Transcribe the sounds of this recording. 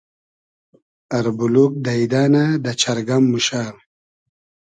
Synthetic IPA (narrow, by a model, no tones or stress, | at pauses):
aɾbuluk̚d̪aid̪aːnad̪at͡ʃʰaɾɡamːuʃal